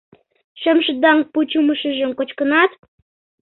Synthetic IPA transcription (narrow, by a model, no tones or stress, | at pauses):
ʃəmʃə̆d̪ɑŋput͡ɕuməʃə̆ʒə̆mkot͡ɕkənɑt̪